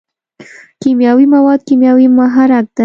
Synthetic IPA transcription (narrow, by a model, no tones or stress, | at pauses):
kimjɑwimawɑd̪̚kimjɑwimaɦaɾak̚d̪̥a